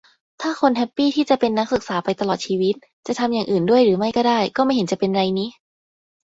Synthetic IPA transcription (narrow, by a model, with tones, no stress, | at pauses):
t̪ʰaː˥˩xʰo˧nɦɛ˦˥pːiː˥˩t̪ʰiː˥˩t͡ɕa˨˩pe˧nːa˦˥k̚sɯ˨˩k̚saː˩˦pa˧jt̪a˧lɔː˨˩t̪̚t͡ɕʰiː˧wi˦˥t̪̚ | t͡ɕa˨˩t̪ʰa˧mjaː˨˩ŋʔɯː˨˩ndu˥˩əjɾɯː˩˦ma˥˩jkɔː˥˩daː˥˩jkɔː˥˩ma˥˩jɦe˩˦nt͡ɕa˨˩pe˧nɾa˧jniː˦˥